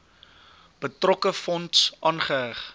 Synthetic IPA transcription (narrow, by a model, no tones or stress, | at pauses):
b̥ətrɔkəfɔntsʔɑːnχəɦæχ